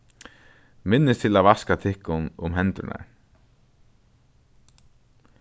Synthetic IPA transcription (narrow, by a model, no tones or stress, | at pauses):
mɪnːɪst̪ʰɪlaðvaskat̪ʰɪhkʊnʊmɦɛnt̪ʏ̰na̰ɹ